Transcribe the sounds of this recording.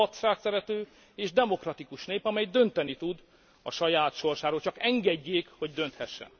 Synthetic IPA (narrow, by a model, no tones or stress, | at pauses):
ɒt̪ʃaːksɛɾɛt̪øː | eːʒd̪ɛmo̞krɒt̪ikuʃneːpɒmɛjd̪ø̞nt̪ɛnit̪ud̪ | ɒ̰ʃɒjaːt̪ʃo̞rʃaːɾoːlt͡ʃɒkɛŋɡɛɟːeːkho̞ɟd̪ø̞nt̪hɛʃːɛ̰n